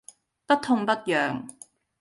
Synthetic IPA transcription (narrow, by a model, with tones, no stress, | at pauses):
p̪ɐ˥t̚t̪ʰʊ˥˧ŋp̪ɐ˥t̚jœː˨ŋ